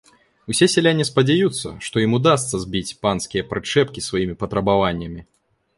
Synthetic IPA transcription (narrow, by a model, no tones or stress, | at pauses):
usʲɛsʲɛlʲanʲːɛspɐd͡zʲajut̪sːɐ̰ʂt̪ɔjimud̪as̬t̪sɐzʲbʲit͡sʲpanskʲijɐpɾɨt͡ʂɛpkʲisvajimʲipɐt̪ɾɐbavanʲːɐmʲi